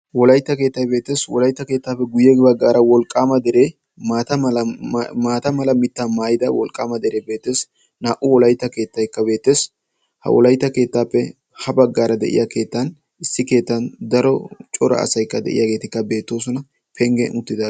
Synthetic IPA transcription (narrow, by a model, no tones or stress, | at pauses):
wɔlɐjt̪ːɐke̞ːt̪ːɐjbe̞ːt̪ːe̞ːswɔlɐjt̪ːɐke̞ːt̪ːaːpːɛɡʊjɛɡbɐɡːaːɾɐwɔlkʼːaːmɐd̪ɛɾeː | maːt̪ɐmɐlmaːt̪ɐmɐlɐmɪt̪ːamaːjɪd̪ɐwɔ̰lkʼːaːmɐd̪ɛɾe̞ːbe̞ːt̪ːe̞ːs | naːʔʊwɔlɐjt̪ːɐke̞ːt̪ːɐjkːɐbe̞ːt̪ːe̞ːs | hɐ̰wɔ̰lɐjt̪ːɐke̞ːt̪ːaːpːɛ | hɐbɐɡːaːɾɐd̪ɛ̰ʔɪ̰jake̞ːt̪ːɐn | ɪsːɪke̞ːt̪ːɐnd̪ɐɾɔt͡ʃʼɔɾɐ̰ɐ̰sɐjkːɐd̪ɛ̰ʔɪ̰jaːɡe̞ːt̪ɪkːɐbe̞ːt̪ːo̞ːs̬ɔnɐ | pʰɛŋɡɛnʊt̪ːɪd̪a